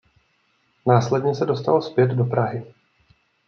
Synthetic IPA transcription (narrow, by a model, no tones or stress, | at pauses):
naːslɛdɲɛsɛdo̞st̪alospjɛd̪do̞pɾaɦɪ